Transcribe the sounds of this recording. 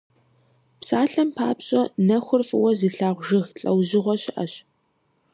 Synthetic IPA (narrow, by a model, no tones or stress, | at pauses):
psaːɬɐmpʰa̰ːpɕʼɐnɐxʷʊrfʼɨwɐzɨɬaːʁʷʒɪxɬʼɐwʑɪʁʷɔɕɪʔɐ̰ɕ